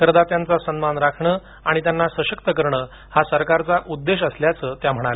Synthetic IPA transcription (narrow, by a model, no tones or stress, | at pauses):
kəɾd̪at̪jant͡sasənmanɾakʰɳəː | aɽ̃it̪̬janːasəɕəkt̪əkəɾɳəː | hasəɾkaɾt͡saʔud̪ːeɕəsljat͡səːt̪jam̤əɽ̃ale